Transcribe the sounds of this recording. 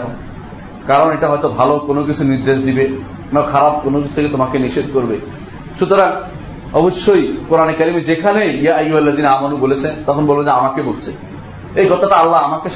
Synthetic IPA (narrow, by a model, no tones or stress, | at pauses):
kon | kaɾoneʈaɦɔjt̪obʱalokonokit͡ɕʰuniɾd̪eʃd̪ibe | nakʰaɾab̚konokit͡ɕʰu̥t̪ʰeket̪omakeniʃed̪̚koɾbe | ʃut̪oɾaŋ | ɔboʃːojkoɾanekaɾimed͡ʑekʰaneiaajuɛlːad̪inamanubolet͡ɕʰent̪ɔkʰonbolbed͡ʑeamakebolt͡ɕʰe | ejɡɔt̪aʈaalːaamakeʃ